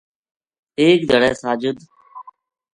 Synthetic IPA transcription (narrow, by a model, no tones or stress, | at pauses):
eːk̚d̪ʱəɽɛːsaːd͡ʒʊd̪ʱ